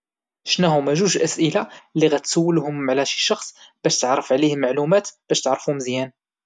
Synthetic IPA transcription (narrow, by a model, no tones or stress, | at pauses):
ʃnæhʊmæʒuʃʔæsʔəlalːiɣæt̪sæwːəlhʊmʕlæʃi̥ʃɑxsˤb̥æʃt̪əʕɾˤːəfʕlihmːaʕlumæt̪b̥æʃt̪əʕɾˤəfuhʊmzjæn